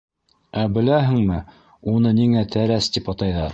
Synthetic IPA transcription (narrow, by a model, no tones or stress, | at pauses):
æbɘ̆læɦɘ̆ŋmɘ | unɤniŋæt̪ʰæɾæst̪ipɑt̪ɑjðɑɾ